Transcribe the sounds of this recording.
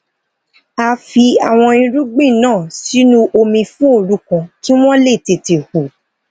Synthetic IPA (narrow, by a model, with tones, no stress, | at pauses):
a˧fi˧a˨w̃ɔ̃˧ĩ˧ɾu˦ɡ͡bĩ˦˨nãː˦˨si˨˦nũ˦ʔo˧mĩ˧fũ˦o˦˧˨ɾu˦kã˧tĩ˦w̃ɔ̃˦le˦˨te˨te˨hu˨